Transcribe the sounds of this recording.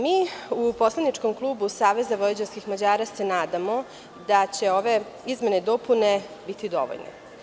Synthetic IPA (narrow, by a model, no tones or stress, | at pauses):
miːupo̞slˠadnit͡ʃko̞mklˠuːbusaːʋe̞zaʋojed͡ʑenskixmad͡ʑaːɾase̞naːd̪amo̞ | d̪at͡ɕe̞o̞ʋe̞ | izme̞ned̪opune̞bit̪id̪o̰ʋo̰ʎnḛ